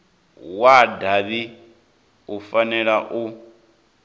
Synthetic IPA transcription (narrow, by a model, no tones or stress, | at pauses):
wadaβi | ufanɛɺaʔu